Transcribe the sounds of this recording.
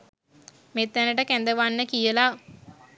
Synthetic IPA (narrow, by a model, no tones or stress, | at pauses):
met̪ːænəʈəkænd̪əʋanːəkijəla